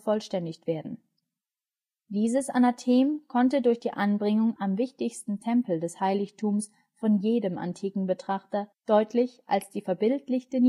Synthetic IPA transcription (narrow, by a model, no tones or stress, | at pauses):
fɔlʃtɛndɪçtv̥eːɐdn̩ | d̥iːzəsʔa̰natʰeːmkʰɔntədʊɐçd̥iːʔanbʁɪŋʊŋʔamvɪçtɪçstn̩tʰɛmpl̩dɛshaɪlɪçtʰuːms | fɔnjeːdəmʔa̰ntʰiːkŋ̩bətʁ̥aχtɐd̥ɔʏtlɪçʔalsd̥iːfɛɐbɪltlɪçtən